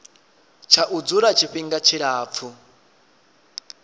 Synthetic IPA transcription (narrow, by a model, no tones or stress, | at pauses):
t͡ʃʰaʔud͡zuɾat͡ʃʰiɸiŋɡat͡ʃʰiɺaːp̪fʰu